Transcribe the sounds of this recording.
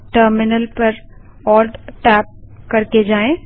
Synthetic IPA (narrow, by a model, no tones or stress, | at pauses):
ʈəɾmɪnəlpɐɾ | ɔːlɖʈɛːp̚kɐɾked͡ʒaːẽ